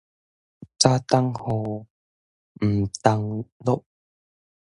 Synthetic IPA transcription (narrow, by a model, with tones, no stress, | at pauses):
t͡saː˦˥t̪a˥ŋho˧˩ | m̩˨˩t̪a˧ŋlo˦˥ʔ̚